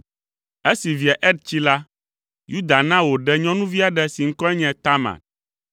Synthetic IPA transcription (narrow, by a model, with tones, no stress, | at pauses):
e˦si˨vi˨a˨ʔɛ˦d̪̚t͡ɕi˦la˦ | ju˦d̪a˨nã˦wo˨ɖɛ˦ɲɔ̃˦nũ˦vi˦a˨ɖɛ˦si˨ŋ̩˦kɔ˦ɛ˦ɲɛ̃˨t̪a˦mã̰˨t̪̚